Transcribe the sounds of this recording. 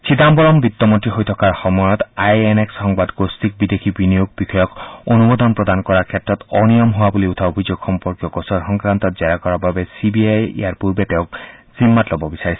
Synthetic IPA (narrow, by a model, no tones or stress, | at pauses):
t͡ɕʰid̪ambɔɾɔmbit̪ːɔmɔntiɦojt̪ʰɔkaɹxɔmɔjɔt̪ajenekshɔŋbad̪ɡost̪ik̚bid̪ekʰibinijoɡ̚bixɔjɔkonubod̪ɔnpɹɔd̪ankɔɹaɹkʰet̪ɾɔt̪ɔnijɔmɦoabuliut̪ʰaobʱid͡ʑoɡxɔmpɔɾkjɔkɔsɔɹxɔŋkɾant̪ɔt̪̚zaɾakɔɹababesibiajḛaɹpuɾbet̪eʊkzimːat̪lɔbɔbisaɹisʰi̥